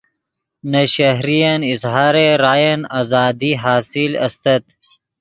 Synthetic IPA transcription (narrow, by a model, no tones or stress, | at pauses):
nɐʃɐɦɾijɐnizɦɑːɾeɾaːjɐnazɑːd̪iɦaːsilɐ̰st̪ɐt̪